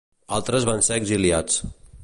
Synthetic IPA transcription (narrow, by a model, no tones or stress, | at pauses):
alˠt̪ɾəzβanseːɡziliat͡s